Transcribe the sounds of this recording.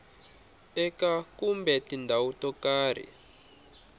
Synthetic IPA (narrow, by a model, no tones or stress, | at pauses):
ɛkakumbɛtindʱawutɔkaːɾḭ